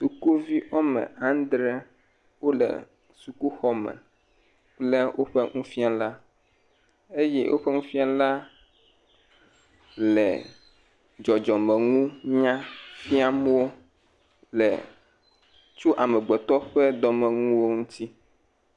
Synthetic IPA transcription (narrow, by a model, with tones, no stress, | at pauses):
su˨ku˦vi˦ʔɔ˦mɛ̰̃˨ã˦n˦d̪ɾɛ˦ | wo˦lɛ̰˨ | su˨ku˦xɔ˦mɛ̰̃˨ | k͡plɛ˦wʔo˦ɸɛ˦ŋũ˦fi˦a˦la˦ | e˦jɛ˦wʔo̰˦ɸɛ˦ŋũ˦fi˦a˦la˦ | lɛ̰˨ | d͡ʒɔ˨d͡ʒɔ˨mɛ̃˨ŋũ˦ɲã˦fi˦a˦m˦wo˦ | lɛ̰˨ | t͡ʃu˦ʔa˨mɛ˨ɡ͡bɛ˨t̪ɔ˦ɸɛ˦d̪ɔ˨mɛ˨ŋũ˦wo˦ŋũ˦t̪ʰi˦